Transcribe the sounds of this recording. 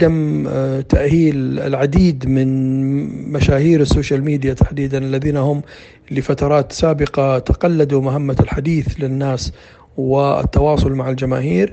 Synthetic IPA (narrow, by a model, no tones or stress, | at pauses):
ad̪amt̪aʔhiːlɪ̰lʕad̪iːd̪mɪn | maʃaːhiːɾɪsːoːʃalmiːd̪jat̪ʰḁħd̪iːd̪analːaðiːnahʊmː | lɪfat̪ɑɾˤɑːt̪saːbɪqat̪aqalːad̪umaɦamːalħad̪iːθlɪnːaːs | wɪɪ̰t̪ːɑwɑːsˤʊlmaʕɪld͡ʒama̰ːɦiːɾ